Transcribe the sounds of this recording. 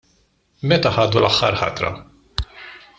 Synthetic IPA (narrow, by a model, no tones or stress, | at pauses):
mɛt̪ɐħɐːd̪ulɐħːɐ̰ɾħɐ̰t̪ɾɐ̰